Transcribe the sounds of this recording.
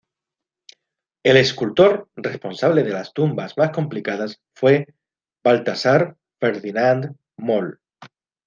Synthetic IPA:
e̞le̞skult̪o̞ɾrespo̞nsaβ̞le̞ð̞e̞last̪umbazmasko̞mplikaðas | fwe̞ | balt̪asaɾ | fe̞ɾðinand̪ | mol

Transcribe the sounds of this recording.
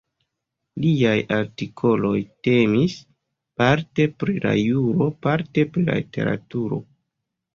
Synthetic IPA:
liajaɾtikʰo̞lo̞jte̞mis | paɾte̞pɾila̰juɾo̞paɾte̞pɾila̰lite̞̰ɾa̰tuɾo̞̰

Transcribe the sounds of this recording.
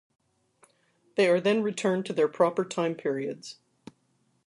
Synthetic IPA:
ðeɪə˞ðɨ̃nɹitʰɜ̃˞ntʰɨðə˞pʰɹ̥ɑpə˞tʰãɪ̃mpʰɪɹiɨdz̥

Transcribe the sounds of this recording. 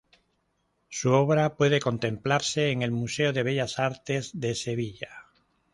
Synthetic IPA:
suo̞βɾapwe̞ðeko̞nt̪ẽ̞mplaɾse̞ːŋe̞lmuseoðe̞β̞e̞ʎasaɾt̪e̞zðe̞se̞β̞iʝa

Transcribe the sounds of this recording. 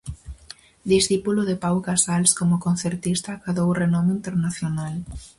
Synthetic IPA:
d̪isθipulʊðɪpawkasalskomʊkon̟θeɾt̪ist̪akaðowrenɔmeint̪eɾnaθjonal

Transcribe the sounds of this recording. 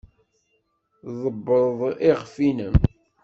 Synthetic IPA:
ðˤəbːəðˤiʁfinəm

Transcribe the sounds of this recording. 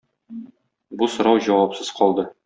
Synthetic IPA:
busŏɾɑwʑɒwɑpsɤz̥qɒlˠd̪ɤ

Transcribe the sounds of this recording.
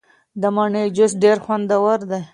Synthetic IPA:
d̪əmaɳed͡ʒʊsɖeɾxwand̪awaɾd̪aj

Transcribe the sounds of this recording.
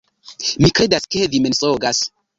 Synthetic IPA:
mikɾedaskeðimensʼoɡas

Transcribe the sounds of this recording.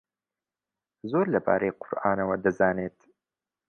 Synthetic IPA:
zoːɾlɐba̰ːɾejqʰʊɾʔaːnɐwɐd̪ɐzaːneːt̪

